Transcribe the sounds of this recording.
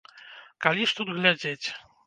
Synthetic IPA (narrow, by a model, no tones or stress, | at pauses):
kalʲiʂt̪ud̪ɣlʲad͡zʲet͡sʲ